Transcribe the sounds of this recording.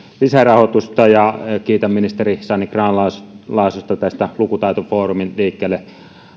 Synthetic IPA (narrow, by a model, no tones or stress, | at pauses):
lisærɑhot̪ust̪ɑjɑkiːt̪æmminist̪erisɑnːikrɑːnlɑslɑˑesust̪ɑt̪æst̪ælukut̪ɑˑit̪ofoːruminliːkːeːlːe